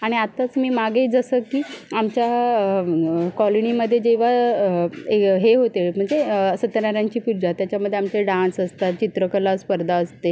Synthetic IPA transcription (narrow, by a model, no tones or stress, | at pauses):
aɽ̃iat̪at͡smiːmaɡeːd͡zəsəkːiːamt͡ɕja | kɔloniməd̪ʱːjed͡ʑeʋ̤a | ɦeɦot̪eɭm̤əɳd͡zesət̪ənaɾjaɲt͡ɕiːpuɾd͡ʑat̪jat͡ɕjaməd̪ʱːjeamt͡ɕeɖãnsəst̪at͡ɕit̪ɾəkəlaspəɾd̪ʱaəst̪e